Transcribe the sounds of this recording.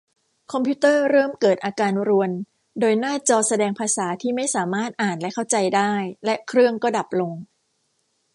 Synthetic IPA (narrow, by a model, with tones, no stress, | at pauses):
kʰɔ˧mpʰi˦˥t̪ɤː˥˩ɾɤː˥˩mkɤː˨˩t̪̚ʔaː˧kaː˧nɾu˧ən | doː˧jnaː˥˩t͡ɕɔː˧sa˧dɛː˧ŋpʰaː˧saː˩˦t̪ʰiː˥˩ma˥˩jsaː˩˦maː˥˩t̪̚ʔaː˨˩nlɛ˦˥kʰa˥˩wt͡ɕa˧jdaː˥˩jlɛ˦˥ʔkʰɾɯ˥˩əŋkɔː˥˩da˨˩p̚lo˧ŋ